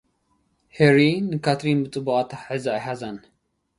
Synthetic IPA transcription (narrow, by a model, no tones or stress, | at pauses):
heɾinɨkʰat̪ɾinbɨt͡s̪ʼɨbukʼat̪ʰaħɨzɨajħazan